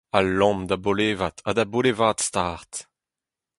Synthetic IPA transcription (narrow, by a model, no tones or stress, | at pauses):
alɔ̃md̪aboleːvat̪ʰadabolevaːt̪st̪aːʁt̪